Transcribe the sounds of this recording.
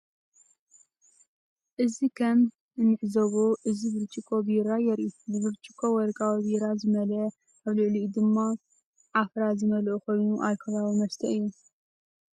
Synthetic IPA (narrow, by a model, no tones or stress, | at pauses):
ʔɨzikʰɐm | ɨnːɨʕzɐβoʔɨzibɨɾt͡ʃʼikʼobiɾajɛɾubɨβɨɾt͡ʃʼikʰʼowɔɾkʼawβiɾazɨmɐlɐ | ʔaβlɨʕlid̪ɨmːa | ʕafɾazɨmɐlʔuko̞jnuʔalkʰɐβaβimɐst̪ʰɐɨjːu